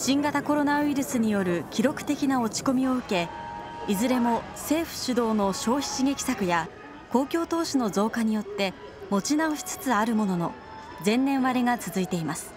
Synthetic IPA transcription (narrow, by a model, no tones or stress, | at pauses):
ɕĩŋɡat̪ako̞ɾo̞naɯiɾɯ̟sɨɲ̟ijo̞ɾɯ̟kʲiɾo̞kɯ̟̥t̪e̞kʲinao̞t͡ɕi̥ko̞mʲio̞ɯ̟ke̞ | izɨɾe̞mo̞se̞ːɸɯ̟̥ɕɨd̪o̞ːno̞ɕo̞ːçi̥ɕiɡe̞kʲi̥sakɯ̟ja | ko̞ːkʲo̞ːt̪o̞ːɕino̞zo̞ːkaɲ̟ijo̞t̪ːe̞ | mo̞t͡ɕinaoɕi̥t͡sɨ̥t͡sɨaɾɯ̟mo̞no̞no̞̰ | d͡zẽ̞nːẽ̞ɰ̃βaɾeɡat͡sɨzɨit̪e̞imasɨ̥